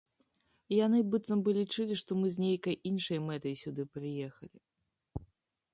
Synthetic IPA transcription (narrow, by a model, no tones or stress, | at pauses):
janɨbɨt̪sɐmbɨlʲit͡ʂɨlʲiʂt̪ɔmɨzʲnʲejkɐjʔinʂɐjmɛt̪ɐjsʲud̪ɨpɾɨjɛxɐlʲi